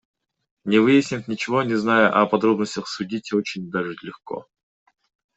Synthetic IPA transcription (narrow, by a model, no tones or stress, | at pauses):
nʲɪvɨjɪsʲnʲɪfʲnʲɪt͡ɕɪvo̞nʲɪznajʊʔɐpɐd̪ɾo̞bnəsʲtʲəxsʊdʲitʲot͡ɕɪnʲd̪aʐɨlʲɪxko̰